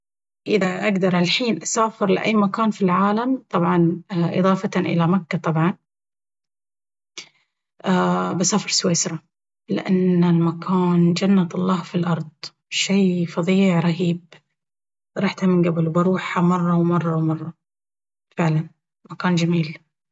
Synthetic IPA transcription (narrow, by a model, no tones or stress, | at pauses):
ʔɪðaʔaɡd̪ɑɾˤalħiːnʔasaːfɪɾlɪ̰ʔa̰jːmakaːnfilʕaːlamt̪ˤɑbʕɑnʔɨ̰ðˤɑːfɑʔɪ̰lamakːat̪ˤɑbʕɑn | ʔabɪsaːfɪɾsweːsɾˤɑ | lɪ̰ʔanːalmakʰaːnd͡ʒanːat̪ɑlˤːɑːhfilʔɑɾˤd̪ˤ | ʃajfɑðˤiːʕɾˤɑɦiːb̚ | ɾˤɑːħt̪amɪnɡabɪlbɑɾˤuːħamɑrˤːɑwmɑrˤːɑwmɑrˤːɑ | fɪʕlan | makaːnd͡ʒamiːl